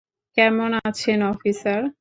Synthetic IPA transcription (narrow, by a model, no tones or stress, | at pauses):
kɛmonat͡ɕʰenɔfisaɾ